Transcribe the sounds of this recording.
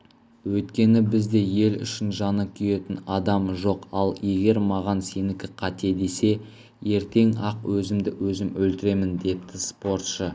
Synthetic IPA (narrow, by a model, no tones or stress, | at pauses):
wɵjt̪kʲe̞nɪbɪzd̪e̞je̞lʏ̰ʃɪnʒɑnəkʲʰʏje̞t̪ɪnɑd̪ɑmʒo̞qɑlˠje̞ɡʲe̞ɾmɑʁɑnse̞nɪkʲɪqʰɑt̪e̞d̪e̞se̞ | je̞ɾt̪e̞ŋɑqwɵzɪmd̪ɪwɵzɪmɵlt̪ɪɾe̞mɪnd̪e̞p̚t̪ɪspo̞rt̪ʃə